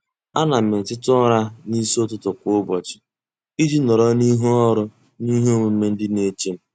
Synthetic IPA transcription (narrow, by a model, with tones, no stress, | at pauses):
a˦na˨mɪ˨tɪ˦tʊ˦ɾa˦ni˦so˦tʊ˦tʊ˨kʷbɔ˨t͡ʃɪ̥˨ | i˦d͡ʒi˦nɔ˨ɾɔ˦ni˦ɦu˦ɔ˦ɾʊ˦ | ni˦ɦe˦o˦ŋʷe˨m̩˦e˦n̩˦dɪ˦ne˦t͡ʃe˦m̩˦